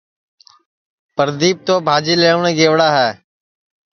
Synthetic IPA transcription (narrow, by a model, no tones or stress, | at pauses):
pəɾd̪iːp̚t̪oːbʱaːd͡ʒiːleːʋɳeːɡeːʋɽaːɦɛː